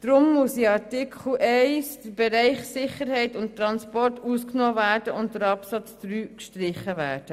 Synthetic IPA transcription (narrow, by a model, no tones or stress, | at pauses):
d̥ɾʊmːʊsiɑɾtɪkʰl̩ɛɪsd̥əɾb̥ɛɾɛɪχsɪχəɾhɛɪtʊnttɾɑnspɔrtusknoːvæːɾd̥əʊntdəɾɑpsɑt͡sd̪ɾyːkʃtɾɪχəvæːd̥ə